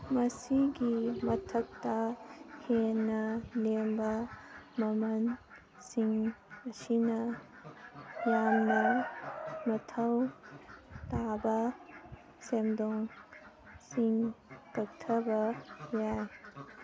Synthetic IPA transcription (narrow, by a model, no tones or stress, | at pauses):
mɐsiɡimɐtʰɐk̚tɐhenːɐlembɐmɐmɐn | siŋɐsinɐ | jamnɐ | mɐtʰɐw | tabɐ | semdoŋ | siŋkɐk̚tʰɐbɐjaj